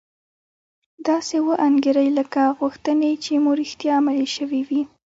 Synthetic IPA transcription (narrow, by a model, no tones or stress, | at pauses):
d̪̥ɑsewəʔaŋɡeɾəjləkaɣuxt̪ənet͡ʃemuɾixt̪jɑamaliʃəwiwi